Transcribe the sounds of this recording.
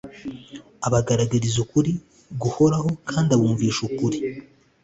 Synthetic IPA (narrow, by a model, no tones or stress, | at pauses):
aβaɡaɾaɡaɾizukuɾi | ɡuho̞ɾaho̞kʰaːndaβuːɱviːʃukuɾi